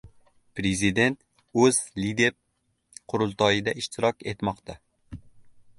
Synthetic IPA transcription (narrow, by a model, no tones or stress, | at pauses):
pɾezɪd̪e̞nt̪ | ɵzlid̪e̞ɾ | qʰʊɾʊlˠt̪ɒjɪd̪aɪʃt̪ʰɪɾɒkʲe̞t̪mɒqt̪ʰa